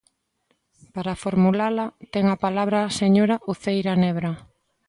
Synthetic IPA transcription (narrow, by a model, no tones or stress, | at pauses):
paɾafoɾmulalat̪ɛŋapalaβɾaseɲoɾaʔuθejɾanɛβɾa